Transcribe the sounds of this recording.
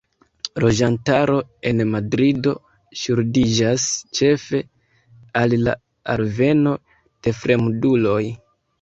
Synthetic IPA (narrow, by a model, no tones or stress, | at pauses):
lo̞d͡ʒantaɾo̞e̞nmadɾido̞ | ʃuɾdid͡ʒast͡ʃe̞fe̞ | alla̰ | aɾve̞no̞ | d̥e̞fɾe̞mdulo̞j